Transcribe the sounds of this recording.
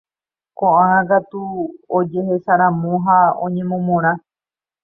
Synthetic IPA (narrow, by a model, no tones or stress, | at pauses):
kõʔããkat̪uod͡ʒe̞ɦesaɾãmõɦaõ̰ɲẽ̞mõmõɾ̃ã